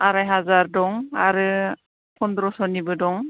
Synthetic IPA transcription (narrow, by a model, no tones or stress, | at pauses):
aɾajɦazaɾdɔŋaɾɯ | pʰɔnd̪ɾɔsɔnibɯdɔŋ